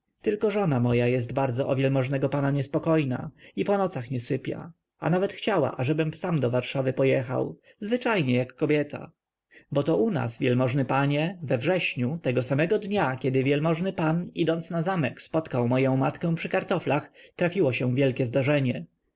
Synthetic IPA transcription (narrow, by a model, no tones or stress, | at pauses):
t̪ɘlkɔʐɔnamɔjajɛst̪baɾd̪zɔʔɔvʲjɛlmɔʐnɛɡɔpanaɲɛspɔkɔjna̰ipɔnɔt̪saxɲɛsɘpʲja̰ | a̰navɛt̪xt͡ɕawa̰ʔaʐɛbɘmsamd̪ɔvaɾʂavɘpɔjɛxa̰w | zvɘt͡ʂajɲɛjakːɔbʲjɛt̪ʰa̰ | bɔt̪ɔʔuna̰svʲjɛlmɔʐnɘpaɲɛvɛvʐɛɕɲut̪ɛɡɔsamɛɡɔd̪ɲakʲɛd̪ɘvʲjɛlmɔʐnɘpanid̪ɔnt̪snazamɛkspɔt̪kawmɔjɔ̃w̃mat̪kɛ̃w̃pʂɘkaɾt̪ɔflaxt̪ɾafʲiwɔɕɛ̃vʲjɛlkʲɛzd̪aʐɛɲɛ